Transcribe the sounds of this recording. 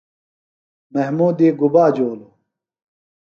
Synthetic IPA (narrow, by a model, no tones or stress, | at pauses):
mɐhmuːd̪iːɡubaːd͡ʑoːlo